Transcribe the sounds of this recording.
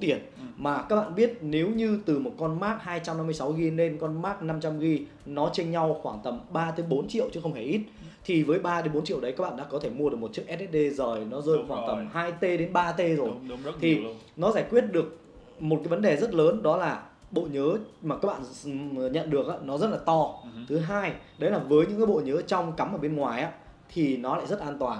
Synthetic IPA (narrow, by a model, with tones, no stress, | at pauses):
t̪i˨˩ən | maː˨˩kaː˦˥k̚ɓa̰ː˧˨ɓi˦˥ət̚ne˨˦wɲɨ˧t̪ɨ˨˩mo˨˩t̚kɔ˧nmaː˦˥k̚haː˧jt͡ɕa˧mna˧mːɨ˧jsa˨˦wɣi˧ne˧nkɔ˧nmaː˦˥k̚na˧mt͡ɕa˧mɣi˧ | nɔ˨˦t͡ɕe˧nɲa˧wxwaː˧˩ŋt̪ə˨˩mɓaː˧t̪ə˨˦ɓo˨˦nt͡ɕḭ˧˨əwt͡ɕɨ˨˦xə˧wŋ͡mhe˧˩jʔi˦˥t̚ | t̪ʰi˨˩vəː˨˦jɓaː˧ɗe˨˦nɓo˨˦nt͡ɕḭ˧˨əwɗə˨˦ka˦˥k̚ɓa̰ː˧˨ɗ̰a̰ː˧˥kɔ˨˦t̪ʰe˧˩mu˧əɗɨ˨˩əkmo˨˩t̚t͡ɕi˦˥ək̚ʔt̚ɛ˦˥t̚ɗe˧zəː˨˩jnɔ˨˦zəː˧xwaː˧˩ŋt̪ə˨˩mhaː˧jt̪e˧ɗe˨˦nɓaː˧t̪e˧zo˨˩jt̪ʰi˨˩ | nɔ˨˦zaː˧˩jkwi˦˥ət̚ɗɨ˨˩ək̚ | mo˨˩t̚kaː˨˦jvə˨˦nɗe˨˩zə˦˥t̚ləː˨˦nɗɔ˨˦laː˨˩ | ɓo̰˧˨ɲəː˨˦maː˨˩ka˦˥k̚ɓa̰ː˧˨ɲə̰˧˨nɗɨ˨˩ək̚ʔa̰ː˨˧˦nɔ˨˦zə˦˥t̚laː˨˩t̪ɔ˧t̪ʰɨ˨˦ɦaː˧jɗə˨˦jlaː˨˩vəː˨˦jɲɨ̰˧˥ŋkaː˨˦jɓo̰˧˨ɲəː˨˦t͡ɕɔ˧wŋ͡mka˨˦mʔəː˧˩ɓe˧nŋwaː˨˩jʔaː˨˦ | t̪ʰi˨˩nɔ˨˦la̰ː˧˨jzə˦˥t̚ʔaː˧nt̪waː˨˩n